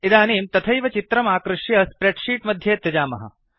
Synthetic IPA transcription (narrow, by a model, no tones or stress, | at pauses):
id̪aːniːmt̪ɐt̪ʰɐjʋɐt͡ʃit̪ɾɐmaːkɾuʂjɐspɾeɖʃiːʈmɐd̪ʱjeːt̪ːɐd͡ʒaːmɐ̰ɦɐ̰